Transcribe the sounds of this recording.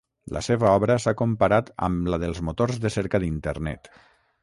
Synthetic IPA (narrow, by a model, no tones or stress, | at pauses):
lʔə̰seβəɔβɾəsakumpaɾat̪ə̰mləðəlˠzmot̪orzðəseɾkəðint̪əɾnɛ̰t̪